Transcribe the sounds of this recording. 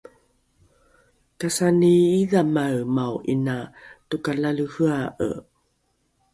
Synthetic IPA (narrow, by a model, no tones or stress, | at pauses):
kasaniiðamaɰmawʔinatukalaluhɯaʔə̰